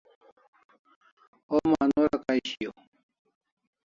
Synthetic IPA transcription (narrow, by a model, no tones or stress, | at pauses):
omanoɾakaiɕijo